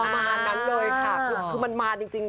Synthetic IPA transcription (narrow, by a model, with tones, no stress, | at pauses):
ma˧naː˧nːa˦˥nlɤː˧jkʰa˦˥˩kʰːkʰɯː˧ma˧nmaː˧t͡ɕi˧ŋt͡ɕi˧ŋ